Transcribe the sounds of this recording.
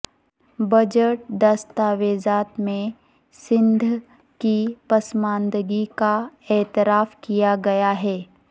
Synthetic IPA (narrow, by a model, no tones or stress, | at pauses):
bɐd͡ʒəʈ̚d̪ɐst̪aːʋeːzaːt̪mẽ | sɪ̃nd̪ʱ | kipɐsmãːnd̪əɡikaɛːt̪ɪɾaːfkijaɡɐjaɦɛː